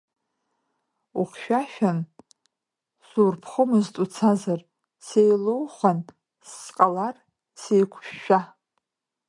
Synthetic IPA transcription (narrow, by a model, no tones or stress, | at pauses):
uχʲʃᶣaʃᶣan | surpʰχəmɨztʼut͡sʰazar | sejlowχʷan | sːqʼalar | sejkʷʰʃːᶣa